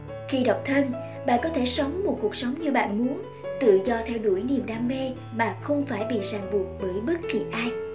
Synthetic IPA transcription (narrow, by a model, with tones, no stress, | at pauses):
xi˧ɗə˨˩wk͡p̚t̪ʰə˧n | ɓa̰ː˧˨nkɔ˨˦t̪ʰe˧˩sə˨˦wŋ͡mmo˨˩t̚ku˨˩ək̚sə˨˦wŋ͡mɲɨ˧ɓa̰ː˧˨nmu˨˦ən | t̪ɨ̰˧˨zɔ˧t̪ʰɛ˧wɗu˧˩əjni˨˩mɗaː˧mːe˧ | maː˨˩xə˧wŋ͡mfaː˧˩jɓḭ˧˨zaː˨˩ŋɓu˨˩ət̚ɓəː˧˩jɓə˦˥t̚ki˨˩ʔaː˧j